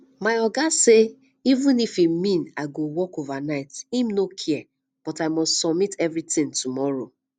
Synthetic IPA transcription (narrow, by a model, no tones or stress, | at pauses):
maɪɔɡase | ivũnifimːĩnaɪɡowɔkovanaɪtimnokʰiɛ | b̥ɔtaɪmɔstsɔmitɛvɹitɪ̃ŋtumɔɾo